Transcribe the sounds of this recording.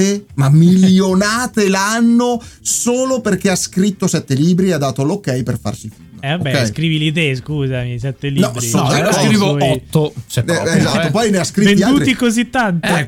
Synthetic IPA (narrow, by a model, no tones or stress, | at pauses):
emamiljonaːt̪elanːosoːloperk̟easkɾit̪ːosɛt̪ːeliːbɾiead̪ːaːt̪olokːɛjperfa̰rsifunːɛokbɛɛjskɾiːvilit̪eskuːzamis̬ɛt̪ːelinɔinoskɾiːvoɔt̪ːoseɛezat̪ːopɔjneaskɾit̪ːiad̪uːɾikozit̪ːant̪